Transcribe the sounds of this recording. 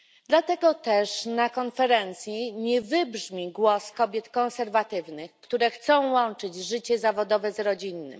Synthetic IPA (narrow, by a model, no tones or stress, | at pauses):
d̪lat̪ɛɡɔt̪ɛʂnakɔnfɛɾɛnt̪sʲjiɲɛvɘbʐmʲiɡwɔskɔbʲjɛt̪kɔ̃ñsɛɾvat̪ɘvnɘxkt̪uɾɛxt̪sɔ̃w̃wɔnt͡ʂɘd͡ʑʐɘt͡ɕɛzavɔd̪ɔvɛzɾɔd͡ʑinːɘ̰m